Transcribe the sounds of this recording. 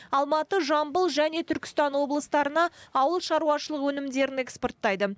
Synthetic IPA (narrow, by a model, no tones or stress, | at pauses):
ɑlˠmɑt̪əʒɑmbəlˠʒæne̞t̪ʰʏɾkʲɪ̥st̪ɑnwo̞blˠəst̪ɑɾənɑːwəlˠʃɑɾuwɑʃəlˠəqwɵnɪmd̪e̞ɾɪne̞kspo̞rt̪ːɑjd̪ə